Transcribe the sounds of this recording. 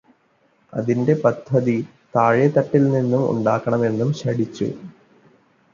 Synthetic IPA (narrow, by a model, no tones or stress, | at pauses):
ɐ̰ðinde̞pɐd̪ʱːɐði | t̪aːɻjɐt̪ːɐʈːilninːumṵɳɖaːkːɐɳɐme̞nːumɕɐɽit͡ɕːṵ